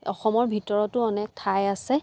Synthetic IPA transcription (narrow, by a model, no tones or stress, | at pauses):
ɔ̰xɔmɔɹbʱitɔɹɔtʊɔnɛk̚tʰajasɛ